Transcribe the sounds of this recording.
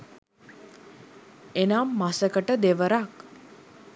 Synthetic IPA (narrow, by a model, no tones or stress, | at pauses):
enaːmːasəkəʈəd̪eʋəɾak